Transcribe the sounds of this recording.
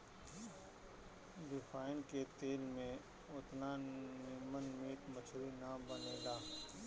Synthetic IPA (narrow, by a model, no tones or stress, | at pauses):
ɖɪfʰaːɪnket̪eːlmẽ | ʊt̪nanɪmənmiːk̪mət͡ʃʰɾinabəneːɡaː